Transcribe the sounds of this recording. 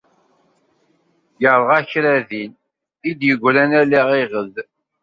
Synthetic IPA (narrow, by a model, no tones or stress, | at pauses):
jəʁɾˤʁæçɾæðin | id̪jəɡʷɾænæliʁiʁəð